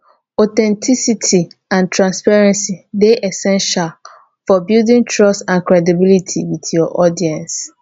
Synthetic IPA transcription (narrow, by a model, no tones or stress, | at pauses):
ɔtɛ̃ntʰisitʰiãntʰɹãnspaɹɛ̃nsileʔɛsɛ̃nʃal | fɔbildĩŋtʰɹɔstãnkɹɛdibilitʰiwitʰjɔʔɔdiɛ̃ns